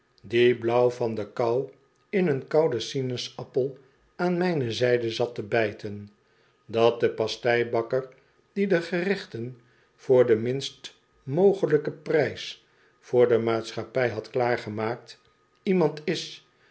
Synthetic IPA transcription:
diblʌwfɑndəkaw | ɪnənkɑwdəsinəsɑpəlˠ | aːnmɛjnəzɛjdəzɑtəbɛjtʰən | dɑt̚d̪əpɑstɛjbɑkər | d̥idəχərɪχtən | v̥ʊːɹdəmɪnst | mowχələkəprɛjs | fʊːɹdəmaːtsχapɛjɦɑtklaːɹχəmaːk̚t | imɑntɪs

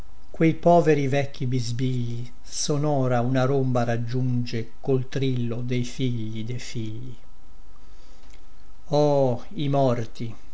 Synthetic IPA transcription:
kwejpɔːveɾivɛkːibizbiʎːi | sɔnɔːɾaunaɾombaɾad͡ʒːund͡ʒe | kolt̪ɾilːod̪ejfiʎːid̪ejfiʎːi | ɔː | imɔrt̪i

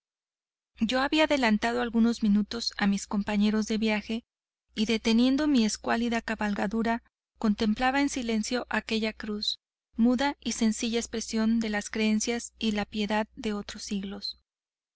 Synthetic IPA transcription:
ɟ͡ʝo̞aβiaðe̞lant̪að̞o̞alɣuno̞zmĩnut̪o̞samisko̞mpaɲe̞ɾo̞zðe̞βjaxe̞ | iðe̞t̪e̞nje̞nd̪o̞mie̞skwaliðakaβalɣaðuɾa | ko̞nt̪e̞mplaβaensile̞nsjo̞ʔake̞ʝakɾus | muðaise̞nsiʝaespɾe̞sjo̞nd̪e̞laskɾe̞e̞nsjasilapje̞ðaððe̞o̞t̪ɾosːiɣlo̞s

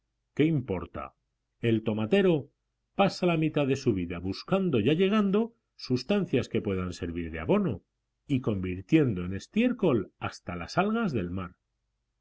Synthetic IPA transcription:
ke̞impo̞ɾt̪a̰ | e̞lt̪o̞mat̪e̞ɾo̞ | pasalamit̪aðe̞suβ̞iðaβuskand̪o̞ʝaʎe̞ɣ̞and̪o | sust̪an̟θjaske̞pwe̞ðanse̞ɾβiɾðea̰βo̞no̞ | iko̞mbiɾt̪je̞nd̪o̞e̞ne̞st̪je̞ɾko̞last̪alasalɣazðe̞lmaɾ

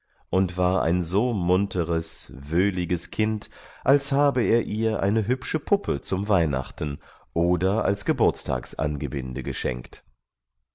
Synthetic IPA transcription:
ʔʊntv̥aːɐʔa̰ɪnzoːmʊntʰəʁəsvøːlɪɡəskʰɪntʔalshaːbəeːɐʔiːɐʔa̰ɪnəɦʏpʃəpʰʊpʰət͡sʊmvaɪna̰χtn̩ | ʔoːdɐa̰lsɡ̥əbʊɐt͡stʰa̰ːksʔa̰nɡəbɪ̰ndəɡəʃɛ̰ŋkt

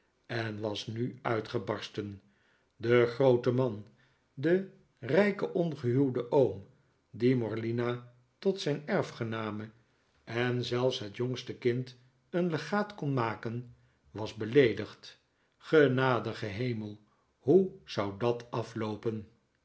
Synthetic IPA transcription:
ɛnʋɑsnyœɥtχəbɑɹstən | dəχrowtəmɑn | də | rɛjkəʔɔnχəɦywdəʔowm | dimɔɹlina | tɔtsɛjnɛɹfχənaːmə | ɛnzɛlˠfsɦətjoŋstəkɪnt | ənləχaːtkɔnmaːkən | ʋɑzbəlejdəχt | χənaːdəχəɦejməlˠ | ɦuz̥ɑwdɑtɑflowpən

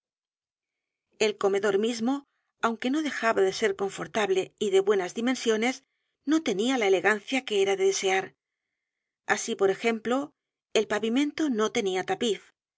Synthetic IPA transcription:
e̞lko̞me̞ðo̞ɾmizmo̞ | awŋke̞no̞ðe̞xaβaðe̞se̞ɾko̞ɱfo̞ɾt̪aβle̞iðe̞βwe̞nazðimẽ̞nsjo̞ne̞s | no̞t̪e̞nialaele̞ɣan̟θjake̞eɾaðe̞ðe̞se̞aɾ | asipo̞ɾe̞xe̞mplo̞ | e̞lpaβimẽ̞nt̪o̞no̞t̪e̞niat̪apiθ

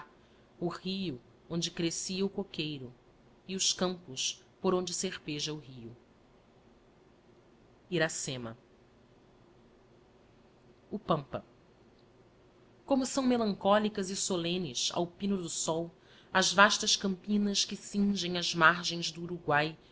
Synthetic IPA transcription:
ʊhiʊ | õnd͡ʒɪkɾesiɐʊkokejɾʊ | iʊskɐ̃mpʊs | poɾõnd͡ʒɪseχpeʒɐʊɦiʊ | iɾasẽmɐ̰ | ʊpɐ̃mpɐ̰ | kõmʊsɐ̃w̃melɐ̃ŋkɔlikɐzɪsolẽnɪʃa̰wpĩnʊd̪ʊsɔw | ɐzvaʃt̪ɐʃkɐ̃mpĩnɐskɪsĩʒẽj̃ɐzmaɾʒẽj̃zd̪ʊːɾuɡwaj

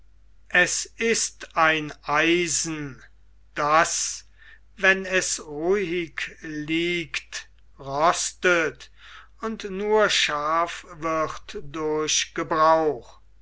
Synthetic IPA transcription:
ʔɛsɪstaɪnʔaɪzn̩ | d̥as | vɛnɛsʁuɪkliːkt | ʁɔstət | ʊntnuːɐʃaːfvɪχtdʊɐɕɡ̥əbʁaʊx

